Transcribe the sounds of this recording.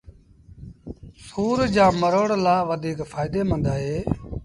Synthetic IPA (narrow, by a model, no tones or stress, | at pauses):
suːɾd͡ʒãːməɾəːɽlaːʋəd̪ʱiːkfaːɪd̪eːmə̃nd̪aːɦeː